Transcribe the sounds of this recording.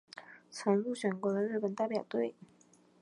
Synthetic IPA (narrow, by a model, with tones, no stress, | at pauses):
t͡sʰɤ˧˥ŋɻu˥˩ɕɥɛ˨˩nkwɔ˧˥d̪ə˧ɻ̩˥˩pə˨˩nt̪a˥˩ɪpjɑ˨˩ʊt̪we˥˩ɪ